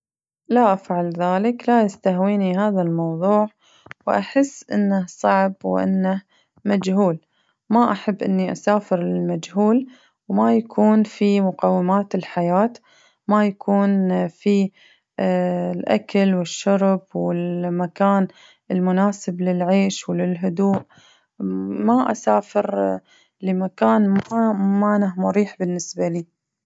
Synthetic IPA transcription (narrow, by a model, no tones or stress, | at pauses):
laʔafʕalðaːlɪklajɪst̪ahwiːnihaːðalmɑwðˤuːʕ | wʔa̰ħɪsːʔɪnːasˤɑʕbwʔɪ̰nːah | mad͡ʒhuːl | maʔaħabːʔɪnːiʔasaːfɪɾlɪlmad͡ʒhuːl | wmajakʰuːnfimʊqɑwːɪmaːt̪ɪlħajaːt̪ | majakʰuːnfi | lʔakalwɪʃːʊɾbwɪlmakaːn | ɪlmʊnaːsɪblɪlʕeːʃwlɪlɦʊd̪uːʔ | maʔasaːfɪɾ | lɪmakaːnmamanahmʊɾiːħbɪnːɪsbaliː